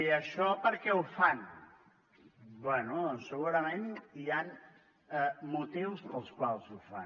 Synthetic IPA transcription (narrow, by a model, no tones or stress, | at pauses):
iəʃɔpəɾkɛufan | bwɛnusəɣuɾɐmẽnian | ɛmut̪iwspəlˠskwalˠzufa̰n